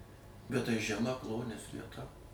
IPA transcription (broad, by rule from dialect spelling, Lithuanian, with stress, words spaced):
bʲɛt tɐɪ ʒʲɛˈmɐ ˈklˠoːnʲiɛs ʋʲiɛˈtɐ